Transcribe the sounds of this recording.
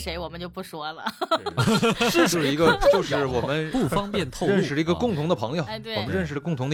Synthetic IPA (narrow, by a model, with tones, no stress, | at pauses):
ʂe˧˥ɪwɔ˨˩mə˦nt͡ɕjo˥˧ʊpu˥˩ʂwɔ˥lə̰˨˥˧ | ʂo˧ʂɻ̩˥˧˩i˧˥ɡə˧t͡ɕjo˥˧ʊʂɻ̩˥˩wɔ˨˩mə˦nu˥˩fʰɑ˥ŋpjɛ˥˧nt̪ʰo˥˧ɻə˥˩nʂʂɻ̩˧˩ə˧i˧˥ɡə˧kʊ˥˩ŋt̪ʰʊ˧˥ŋd̪ə˧pʰɤ˧˥ŋjo˨˩˨t̪wɔ˨˩mə˦nɻə˥˩nʂɻ̩˧˩ə˧kʊ˥˩ŋt̪ʰʊ˧ŋd̪ə˧